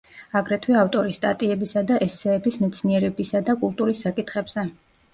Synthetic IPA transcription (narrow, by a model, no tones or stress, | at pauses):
aɡɾɛt̪ʰwɛaft̪ʼɔɾist̪ʼa̰t̪ʼiɛbisad̪aʔɛsːɛːbismɛt̪sʰniɛɾɛbisad̪akʼulˠt̪ʼuɾisːakʼit̪ʰχɛbz̥ɛ